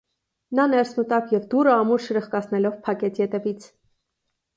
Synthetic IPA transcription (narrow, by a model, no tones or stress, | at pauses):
nɑnɛɾsmut̪ɑkjɛvd̪uɾəɑmuɾʃəɾəχkɑsʰnɛlɔvpʰɑkɛt͡sʰjɛt̪ɛvit͡sʰ